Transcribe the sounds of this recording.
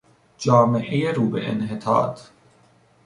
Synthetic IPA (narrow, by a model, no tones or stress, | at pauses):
d͡ʒɒːme̞ʔejeɾuːbḛʔḛnɦet̪ʰɒ̰ːt̪